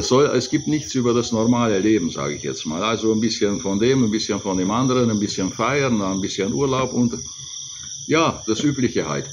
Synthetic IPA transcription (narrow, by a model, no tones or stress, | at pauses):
sz̥ɔlɛ̰sɡ̥iːp̚tnɪçt͡sʔyːbɐdasnɔʁmaːləleːbm̩za̰ːɡəɪçjɛ̰t͡stma̰ːlalzonbɪsçənfɔndeːmənbɪsçənfɔndeːmʔandəʁənanbɪsçənfaɪəndanbɪsçənʔuːɐlaʊpʊnt | jaːd̥asʔyːplɪçəha̰ɪt